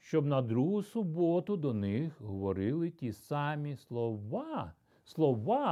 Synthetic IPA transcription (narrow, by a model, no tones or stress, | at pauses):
ʃt͡ʃɔbnɐd̪ɾuɦʊsʊbɔt̪ʊd̪ɔnɪxɦɔʋɔɾɪlˠɪtʲisɑmʲislˠɔʋɑ | slˠɔʋɑ